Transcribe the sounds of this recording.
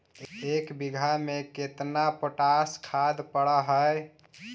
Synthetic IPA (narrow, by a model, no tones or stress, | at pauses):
ekbiɡʱameket̪napoʈaskʰad̪pəɽəɦəj